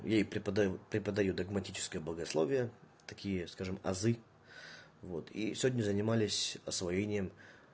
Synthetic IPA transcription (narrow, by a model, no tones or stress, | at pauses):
japɾʲɪpəd̪ɐjupɾʲɪpəd̪ɐjud̪əɡmɐtʲit͡ɕɪ̥skəjəbləɡɐslˠo̞̰vʲɪjə | t̪ɐkʲijəskaʐɨmɐ̰zɨ | vo̞̰t̪ʰḭsʲɪvʲdʲnʲəzənʲɪmalʲɪsʲɐsvɐjenʲɪjəm